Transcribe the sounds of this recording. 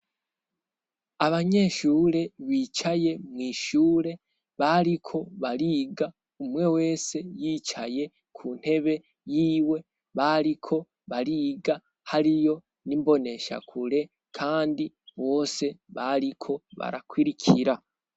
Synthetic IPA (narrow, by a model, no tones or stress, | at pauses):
aβaɲe̞ʃuːɾe̞βiːt͡ʃaje̞mŋiːʃuːɾe̞ | βaɾikʰo̞βaɾiːɡa | umwe̞we̞ːse̞jiːt͡ʃaje̞ | kʰun̥he̞βe̞ | jiːwe̞ | βaɾikʰo̞ | βaɾiːɡa | haɾijo̞ | nimbo̞ne̞ʃa̰kʰuɾe | kʰaːndi | βo̞ːse̞βaɾikʰo̞βa̰ɾa̰kwiɾikʰiɾa